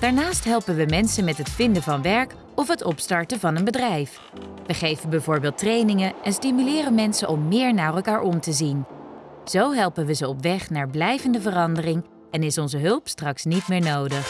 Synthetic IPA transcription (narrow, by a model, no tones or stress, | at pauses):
d̥aːɹnaːstɦɛlˠpənʋəmɛnsənmɛtɦətfɪndəvɑnʋɛɹk | ɔfɦətɔpstɑɹtəvɑnənbədrɛjf | ʋəχejvənbɛjvʊːɹbɪːlˠtrejnɪŋəʔɛnstimylɪːrənmɛnsəʔɔmːɪːɹnaːrɛlˠkaːɹʔɔmtəzin | z̥owɦɛlˠpənʋəzəɔpʋɛχnaːɹblɛjvəndəvərɑndərɪŋ | ɛnɪsɔnzəɦɵlˠpstrɑksnitmɪːɹnowdəχ